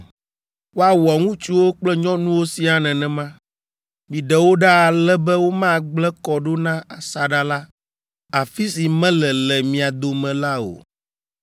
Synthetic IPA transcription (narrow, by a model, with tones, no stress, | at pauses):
wo˦a˨wɔ˨ŋũ˦t͡ʃu˦wo˦k͡plɛ˦ɲɔ̃˦nũ˦wo˦si˦a˨nɛ̃˨nɛ̃˨mã˦ | mĩ˨ɖɛ˨wo˦ɖa˦a˨lɛ˦bɛ˦wo˦mã˦˨ɡ͡blɛ˦kɔ˨ɖo˦nã˦a˨sa˨ɖa˦la˦ | a˨fi˦si˨mɛ̃˦lɛ˨lɛ˨mĩ˨a˨d̪o˨mɛ̃˨la˦o̰˨